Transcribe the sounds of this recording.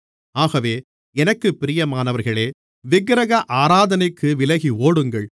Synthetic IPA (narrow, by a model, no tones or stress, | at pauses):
aːɣɐʋeː | ɛnɐkːɯpːɪɾɪjɐmaːnɐʋɐɾɣɐɭeː | ʋɪɡɾɐɣɐʔaːɾaːðɐnɪkʰːɯʋɪlɐɣioːɽɯŋɡɐɭ